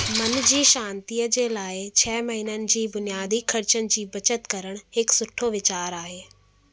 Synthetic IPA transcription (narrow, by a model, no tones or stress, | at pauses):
mɐnd͡ʑiːʃãːnt̪ijəd͡ʑeːlaːɪt͡ɕʰɛːmɐɦinənɪ̆d͡ʑiːbʊnijaːd̪ʱikʰɐɾt͡ɕənɪ̆d͡ʑiːbɐt͡ɕət̪kɐɾəɽ̃ɦɪksʊʈʰoʋɪt͡ɕaːɾaːɦeː